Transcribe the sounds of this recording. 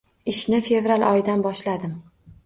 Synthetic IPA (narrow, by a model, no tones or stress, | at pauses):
ɪʃnɪfe̞vɾalˠɒjd̪anbɒʃlad̪ɪm